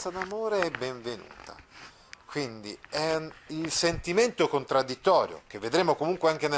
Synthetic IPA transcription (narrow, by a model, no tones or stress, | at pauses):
ad̪amoːɾeɛbːɛɱvenṵːt̪a̰ | kwind̪iɛilsent̪iment̪okont̪ɾad̪ːit̪ːɔːɾjo̰k̟evːed̪ɾeːmokomuŋkweaŋk̟ene